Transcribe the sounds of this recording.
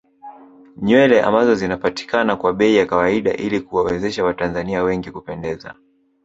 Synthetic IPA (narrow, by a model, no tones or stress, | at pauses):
ɲwɛlɛʔa̰mbazɔzinapati̥kanakwaɓɛijakawaiɗa̰ʔilikuwawɛzɛʃawatanzaniawɛŋɡikupɛndɛza̰